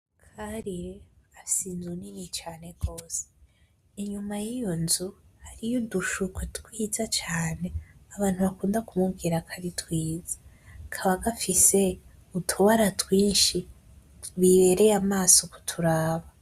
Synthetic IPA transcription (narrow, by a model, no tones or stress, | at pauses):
kʰaɾiasiːnzuninit͡ʃaːne̞ɡ̥o̞ːse̥ | iɲumajijo̞nzuhaɾijoduʃukwetwiːzat͡ʃaːne̞aβaːn̥huβakuːndakumuɡiɾakʰaɾitwiːz̥ḁ | kʰaβaɡafise̞ | utʰoβaɾatwiːnʃi | βiβe̞ɾe̞jamaːso̞ku̥tʰuɾaːβa